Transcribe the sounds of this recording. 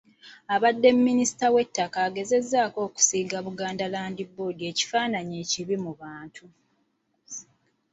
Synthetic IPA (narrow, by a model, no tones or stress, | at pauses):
aβadːe̞mːinisi̥tawe̞tːakaːɡe̞ze̞zːaːko̞ːku̥siːɡaβuɡaːndalaːndibo̞ːdie̞ːci̥faːnaɲe̞ːciβimuβaːntʰu